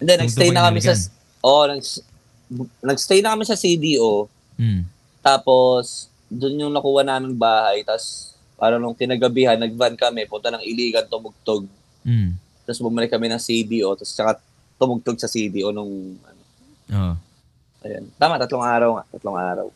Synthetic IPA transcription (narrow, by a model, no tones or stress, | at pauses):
ʔɛnd̪ɛnɐɡst̪ɛjnɐkɐmɛsɐ | ʔo̞nɐɡs | nɐɡst̪ɛjnɐkɐmɪsɐsid̪iːʔo | t̪aːpo̞s | d̪ʊnjʊŋnɐkuːhɐnaːmɪŋbaːhɐjt̪as | paːɾɐnʊŋkɪnaɡɐbihɐnːɐɡ̚vankɐmɛpʊnt̪ɐnɐŋʔɪliːɡɐnt̪ʊmʊɡ̚t̪oɡ̚ | t̪asbʊmɐlɪkːɐmɛnɐŋsid̪iʔo̞t̪ast͡ʃɐka | t̪ʊmʊɡ̚t̪oɡ̚sɐsid̪iʔo̞nʊŋʔɐ̰no | o | ʔɐ̰jo̰nt̪aːmɐʔt̪ɐt̪loŋʔaːɾɐwŋa̰ʔt̪ɐt̪loŋʔa̰ːɾɐ̰w